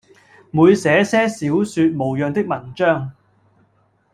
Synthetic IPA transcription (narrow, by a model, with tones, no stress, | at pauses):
muː˨˧jsɛː˨˥sɛː˥siː˨˥wsyː˧t̚mo˨˩wjœː˨˧ŋt̪ɪ˥k̚mɐ˨˩nt͡ʃœː˥ŋ